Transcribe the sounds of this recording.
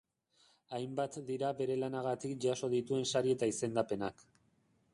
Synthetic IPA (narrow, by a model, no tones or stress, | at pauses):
ajmbat̪d̪iɾaβe̞ɾe̞lanaɣat̪ikʝaso̞ðit̪ue̞nsaɾie̞t̪aise̞nd̪ape̞nak